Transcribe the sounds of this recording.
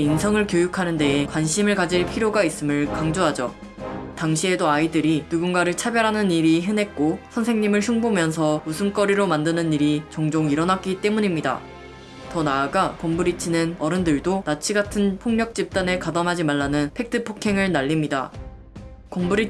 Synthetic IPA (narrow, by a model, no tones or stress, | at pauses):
insʰʌŋɯɭkjojukʰanɯnde̞ːkwanɕʰimɯɭkad͡ʑiɭpʰiɾjoɡais͈ɯmɯɭkaŋd͡ʑoɦad͡ʑʌ | taŋɕʰie̞doaidɯɾinuɡunɡaɾɯɭt͡ɕʰabjʌɾɦanɯniɾiɦɯnɦe̞k̚k͈osʰʌnsʰe̞ŋɲimɯɭɕʰuŋbomjʌns̬ʰʌmusʰunk͈ʌɾiɾomandɯnɯniɾit͡ɕʌŋd͡ʑoŋiɾʌnak̚k͈it͈e̞muɲimɲida̰ | tʌnaːɡapombɯɾit͡ɕʰinɯnʌɾɯndɯɭdonat͡ɕʰiɡatʰɯnpʰoŋɲʌk̚t͡ɕ͈ip̚t͈anekadamɦad͡ʑimaɭːanɯnpʰe̞k̚tʰɯpʰokʰe̞ŋɯɭnaʎːimɲida̰ | kombuɾi